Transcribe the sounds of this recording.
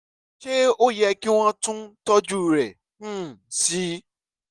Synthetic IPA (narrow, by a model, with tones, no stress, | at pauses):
ʃe˦o˦jɛ˧ki˦w̃ɔ̃˦tũ˦tɔ˦d͡ʒu˦˨ɾɛ̃˨˦˨ | si˦